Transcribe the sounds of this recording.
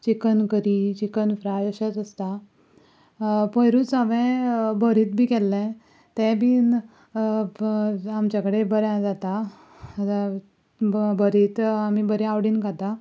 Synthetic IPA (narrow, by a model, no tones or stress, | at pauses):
t͡ɕikənkəɾit͡ɕikənfɾajəɕat͡səst̪a | pəjɾuːt͡saʋɛ̃bəɾiːt̪̚bʱiːkɛlːɛ̃ | t̪ɛ̃bʱiː | amt͡ɕakəɽebəɾjãd͡zat̪a | bəɾiːt̪amibəɾjãaʋɽiːnkat̪a